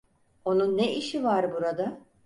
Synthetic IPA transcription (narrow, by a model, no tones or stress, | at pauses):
o̞nunːeiʃivaɾbuɾad̪a